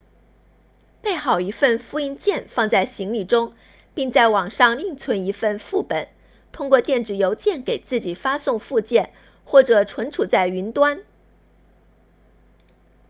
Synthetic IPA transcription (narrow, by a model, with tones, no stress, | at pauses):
pe˥˩ɪxɑ˨˩ʊi˧˥fə˥˩nfu˥˧i˥nt͡ɕjɛ˥˧nfɑ˥˧ŋt͡sa˥˩ɪɕi˧˥ŋli˨˩ʈ͡ʂʊ˥ŋ | pi˥˧ŋt͡sa˥˩ɪwɑ˨˩ŋʂɑ˥˧ŋli˥˩ŋt͡sʰwə˧˥ni˧˥fə˥˧nfu˥˩pə˨˩˦n | t̪ʰʊ˥ŋkwɔ˥˧t̪jɛ˥˩nʈ͡ʂɻ̩˨˩jo˧˥ʊt͡ɕjɛ˥˩nke˨˩ɪt͡sɹ̩˥˩t͡ɕi˨˩fa˥sʊ˥˧ŋfu˥˧t͡ɕjɛ˥˩n | xwɔ˥˩ʈ͡ʂɤ˨˩ʈ͡ʂʰwə˧˥nʈ͡ʂʰu˨˩t͡sa˥˩ɪy˧˥nt̪wa˥n